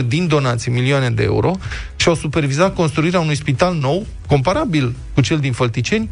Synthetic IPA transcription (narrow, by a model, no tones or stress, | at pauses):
rʲd̪ind̪o̞nat̪similioaned̪e̞̰ḛṵɾo̞ʃiawsupe̞rvizat̪̚ko̞nst̪ɾuiɾeaunujspit̪alno̞w | ko̞mpaɾabilkut͡ʃe̞ld̪infəlt̪it͡ʃe̞nʲ